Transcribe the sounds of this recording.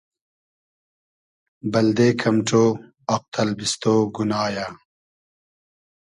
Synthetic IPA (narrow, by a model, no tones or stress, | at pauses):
bɐld̪eːkʰɐmʈ͡ʂoː | ɐq̚t̪ʰɐlbist̪oːɡunaːjaː